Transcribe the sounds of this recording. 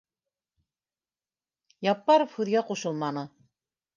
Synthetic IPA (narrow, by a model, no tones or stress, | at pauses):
jɑpːɑɾofhʉðɡæquʃɤlˠmɑnɤ